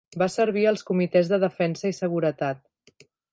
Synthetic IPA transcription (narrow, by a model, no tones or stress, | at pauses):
basəɾβ̞iəlˠskumit̪ɛzðəðəfɛnsəisəɣuɾət̪at̪̚